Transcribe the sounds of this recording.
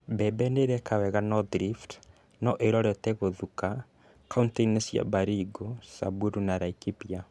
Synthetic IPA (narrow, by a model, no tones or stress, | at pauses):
bɛbɛneɾɛkawɛɣanɔdɾift | nɔʔeɾɔɾɛtɛɣoðuka | kaunteinɛsja̰baɾiɡosa̰buɾunaɾaikipia